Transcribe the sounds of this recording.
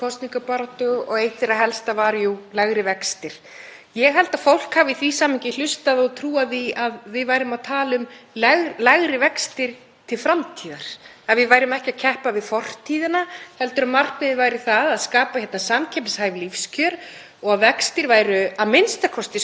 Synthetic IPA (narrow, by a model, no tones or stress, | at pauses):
kʰɔst̪niŋkapaɾat̪ʏɔɣejht̪ɪɾaɦɛlst̪avaːɾjulaɣɾɪvɛkst̪ɪɾ̥ | jɛɣɦɛlt̪afowl̥khaːvɪθvisaːmɪɲcɪl̥ʏst̪aðɔɣt̪ʰɾuːaθiaðvɪðvaːjɾʏmaðt̪ʰaːlʏmlɛɣlaɣɾɪvɛkst̪ɪɾ̥ | t̪ʰɪlfɾamt̪ʰiːðaɾ̥ | aðvɪðvaːjɾʏmɛhcɪacʰɛhpavɪðfɔr̥t̪ʰiːðɪnahɛlt̪ʏɾaðmar̥knɪðɪvaːjɾɪθaðaðskaːpaçjɛt̪nasamcʰɛmshaːjvlifscʰœɾ | ɔɣaðvɛkst̪ɪɾvaːjɾʏaðmɪnst̪akʰɔst̪ɪs